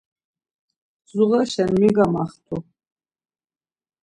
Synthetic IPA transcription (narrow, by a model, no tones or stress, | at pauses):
zuʁɐʃɐnmiɡamaχtʰu